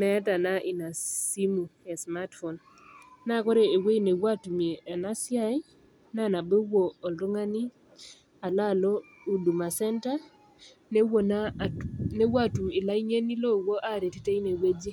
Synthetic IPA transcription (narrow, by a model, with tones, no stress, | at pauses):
mɛ˨˦ta˨na˦ʔi˨na˨si˦mu˨e˨sma˦tfo˨n | na˦˨ko˦ɾe˨e˨we˦jne˨wa˦tu˨me˨a˨na˦sja˦i˦ | na˦˨na˨be˦woː˨lo˦ŋa˦ni˦ | a˨la˦˨lɔ˦ | u˨du˨ma˨sɛ˦nta˦ | ne˦wo˨n | ne˦wa˦tu˨mɪ˨la˦i˦ɲe˦ni˦lo˦˨wo˦ʔa˦ɾe˨ti˦te˦i˦ne˨we˦d͡ʒe˦